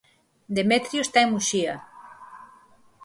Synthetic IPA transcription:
d̪emet̪ɾjoest̪aemuʃia

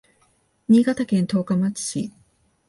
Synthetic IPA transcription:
ɲ̟ʲiɡat̪akẽnt̪o̞ːkamat͡sɨ̥ɕi

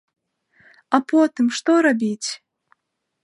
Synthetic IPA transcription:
apɔt̪ɨmʂt̪ɔɾabʲit͡sʲ

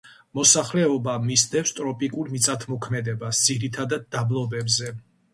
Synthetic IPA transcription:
mɔsaχlɛɔbamisd̪ɛfst̪ʼɾɔpʼikʼuɾmit̪sʼat̪ʰmɔkʰmɛd̪ɛbasd̪z̥iɾit̪ʰad̪ad̪̚ːablˠɔbɛbzɛ

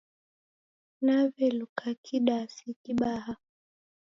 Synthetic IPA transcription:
navɛlukʰakʰiɗasikiɓaha

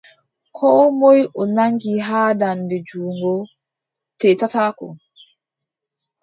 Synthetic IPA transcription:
kʰɔːmojʔɔnaŋɡiɦaːdandɛd͡ʒuːŋɡɔ | tɛtataːkɔ̰

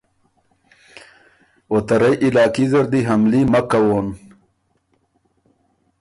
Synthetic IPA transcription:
ot̪ɐɾajʔilɑːkizɐɾd̪iɦamlimakːawon

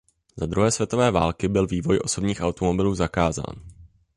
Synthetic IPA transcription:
zad̪ɾuɦɛːsvjɛt̪o̞vɛːvaːlkɪbɪlviːvo̞jʔo̞so̞bɲiːxʔawt̪omo̞bɪluːzakaːza̰ːn

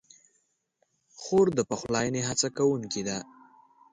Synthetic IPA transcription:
xoɾd̪əpəxlɑjəneɦat͡sakawuŋkid̪a

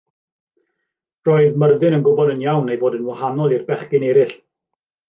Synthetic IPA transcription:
rɔɨðmərðɨnənɡʊbɔdənjawnejvoːdənwahanɔlˠirbɛχɡɪnɛɾɪɬ

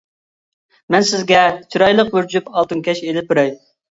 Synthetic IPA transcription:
mɛnsɪzɡʲɛt͡ʃʰiɾɑjlˠəqbyɾd͡ʒypɑlˠt̪ɨnkʲʰɛʃelɪp̚ʊɾɛj

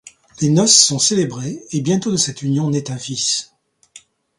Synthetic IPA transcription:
lenɔsːɔ̃selebʁeːbjɛ̃t̪od̪əsɛt̪ynjɔ̃nɛt̪ɛ̃fis

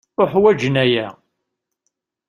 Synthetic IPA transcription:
ʊħwæd͡ʒənæjæ

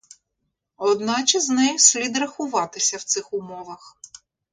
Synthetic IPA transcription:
ɔd̪nɑt͡ʃɪznɛjʊsʲlʲid̪rɐxʊʋɑt̪ɪsʲɐwt̪sɪxʊmɔʋɐx

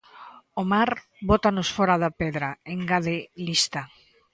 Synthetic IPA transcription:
omaɾ | bot̪anʊsfɔɾaðapeðɾaeŋɡaðelist̪a

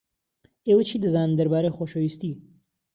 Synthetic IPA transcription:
ewət͡ʃʰid̪əzɑnd̪əɾbɑːɾexoʃawist̪i

